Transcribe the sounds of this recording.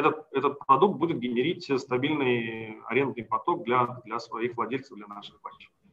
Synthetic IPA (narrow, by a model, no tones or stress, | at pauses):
ɛt̪ət̪̚ɛt̪ət̪̚pɾɐd̪uk̚t̪̚budʲɪt̪̚ɡʲɪnʲɪɾʲitʲst̪ɐbʲilʲnɨjɐ̰ɾʲe̞nd̪̚nɨjpɐt̪o̞k̚d̪lʲad̪lʲɐsvɐixvlˠɐdʲelʲt̪səvd̪lʲɐnaʂɨxpɐt͡ɕːɪ